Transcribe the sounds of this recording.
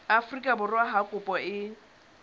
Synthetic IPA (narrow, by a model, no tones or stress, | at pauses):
afrikʼabʊrwaɦakʼʊpʼɔɪ